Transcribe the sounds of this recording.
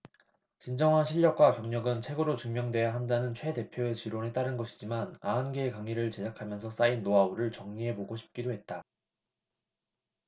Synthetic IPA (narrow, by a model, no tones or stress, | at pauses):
t͡ɕind͡ʑʌŋɦanɕʰiʎːʌk̚k͈wakjʌŋɲʌɡɯnt͡ɕʰwe̞ɡɯɾot͡ɕuŋmjʌŋdwe̞jaɦandanɯnt͡ɕʰwe̞de̞pʰjoet͡ɕiɾonet͈aɾɯnɡʌɕʰi̥d͡ʑimanaɯnɡeːkaŋiɾɯɭt͡ɕe̞d͡ʑakʰamjʌnsʰʌs͈ainːoauɾɯɭt͡ɕʌŋɲiɦe̞boɡoɕʰi̥p̚k͈idoɦe̞t̚t͈a